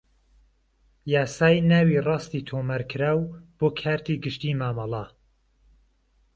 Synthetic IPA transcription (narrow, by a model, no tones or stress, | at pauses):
jaːsaːjnaːwiːrˤɑːst̪iːt̪ʰoːmaɾkʰɨɾaːwb̥oːkʰaːɾt̪iɡɨʃt̪iːmaːmɑlˠɑ